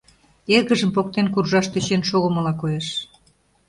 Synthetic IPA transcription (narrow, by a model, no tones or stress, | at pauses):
erɣəʒəmpokt̪enkurʒɑʃt̪øt͡ɕenʃoɣoməlɑkojeʃ